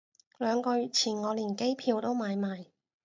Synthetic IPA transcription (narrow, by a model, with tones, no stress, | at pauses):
lœː˨˧ŋkɔː˧jɥyː˨t̚t͡sʰiː˨˩nŋɔː˨˧liː˨˩nke˥jpʰiː˨˧wt̪o˥wmaː˨˧jmaː˨˧j